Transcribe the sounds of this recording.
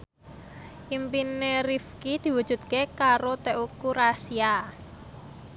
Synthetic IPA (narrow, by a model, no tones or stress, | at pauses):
ʔimpinerifkid̪̥i̤wud̥ʒ̥ṳt̪̚kekaɾot̪ɛʔukurasia